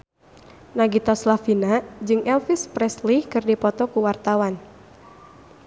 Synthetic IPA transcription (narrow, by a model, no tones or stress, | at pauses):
naɡit̪aslafinad͡ʒɨŋɛlfispɾɛslikɨrdipɔt̪ɔkuwart̪awan